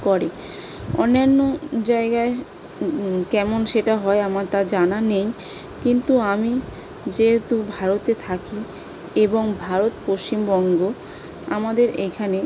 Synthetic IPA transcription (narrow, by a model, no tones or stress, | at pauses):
kɔɾe | ɔ̰nːanːod͡ʑaeɡae | kɛmonʃeʈaɦɔeamaɾt̪ad͡ʑananej | kint̪uami | d͡ʑeɦet̪ubʱaɾot̪et̪ʰaki | eboŋbʱaɾot̪post͡ɕimbɔŋɡo | amad̪eɾekʰane